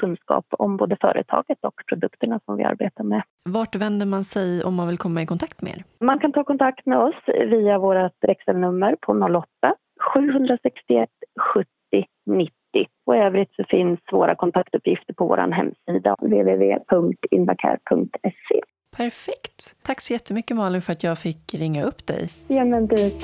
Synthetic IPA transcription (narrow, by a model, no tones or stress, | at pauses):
kʰɵnd̪skɑ̰ːpɔ̰mboːd̪əfœ̰ːɾʔə̰t̪ʰɑ̰ːɡət̪ɔkpʰɾʊd̪ɵkt̪əɳasɔmvɪ̰a̰ɾbeːt̪aɾmɛ | vaʈvɛnd̪əɾmansɛjɔmːanvɪlkʰɔmːaɪkʰɔnt̪ʰakt̪mɛḛːɾmankʰant̪ʰɑːkʰɔnt̪ʰakt̪mɛɔsviːavoːɾat̪ɾɛksɛlnɵmːəɾpʰɔnɔlːɔt̪ːa | ɧʉ̟ːɦɵnd̪ɾasɛkst̪ɪɛt̪ːɧɵt̪ːɪ | nɪt̪ːɪ | ɔøːvɾɪt̪sɔfɪnsːvoːɾʔa̰kʰɔnt̪ʰakt̪ɵpʰjɪft̪əɾpʰɔvo̰ːɾʔa̰nɦɛ̰mːsiːd̪a̰veːveːvḛːpʰɵŋkt̪ɪ̰nva̰kʰæ̰ːɾpʰɵŋk̚t̪ʰɛsḛ | pʰæɾfɛkt̪ʰːakːsɔjɛt̪ːəmʏkːəmɑːlɪnfœɾat̪jɑːfɪkːɾɪŋːaɵpːd̪ɛ̰jɛːnɛnd̪ɪ